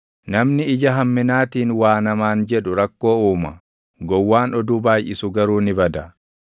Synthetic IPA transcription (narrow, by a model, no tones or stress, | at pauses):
nɐmnɪɪd͡ʒɐɦɐmːɪnaːt̪iːnwaːnɐmaːnd͡ʒɛᶑʊɾɐkːo̞ːuːmɐ | ɡɔwːaːnɔd̪uːbaːjʔɪsʊɡɐɾuːnɪbɐd̪ɐ